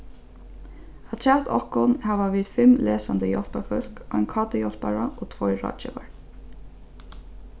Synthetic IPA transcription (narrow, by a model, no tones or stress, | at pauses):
aɑt̪ʰɹæt̪ɔkʊnhæʋaʋiːd̪fɪmleːsand̪əjɔlpafʏlkɑɪnkʰɑːt̪əjɔlpaɹaʔoːt̪ʰvɔɹɑ̰ːt͡ʃɛ̰ʋa̰ɹ